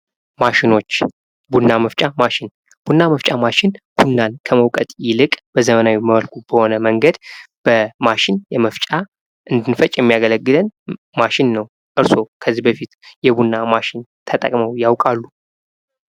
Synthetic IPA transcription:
maʃɪno̞t͡ʃː | bunːaməft͡ʃʼamaʃɪn | b̥unːaməft͡ʃʼamaʃɪnb̥unːankʰəməwkʼət̪ʼjɪlɨkʼb̥əzəmənawiməβəlkʰub̥əho̞nəməŋɡəd̪ | b̥əmaʃɪnjɛməft͡ʃʼa | ʔɨnd̪ɨnfət͡ʃʼjɛmːijaɡələɡːɨlən | maʃɪnːəw | ʔɨɾso̞kʰəzːibəfit̪jɛbunːamaʃɪnt̪ʰət̪ʼə̰kʼməwjawkʼalːu

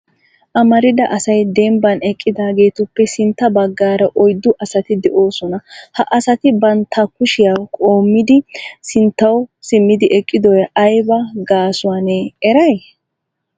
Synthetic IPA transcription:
ʔɐmɐɾɪd̪ɐʔɐsɐjd̪ɛmbɐnɛkʼːɪd̪aːɡe̞ːt̪ʊpːɛsɪnt̪ːɐbɐɡːaːɾɐʔɔjd̪ːʊʔɐsɐt̪ɪd̪ɛʔo̞ːsɔnɐhɐʔɐsɐt̪ɪbɐnt̪ʰːɐkʊʃɪjaːkʼo̞ːmːɪd̪ɪsɪnt̪ːɐwsɪmːɪd̪ɪʔɛkʼːɪd̪ɔjʔɐjbɐɡaːsʊwaneɛɾɐj

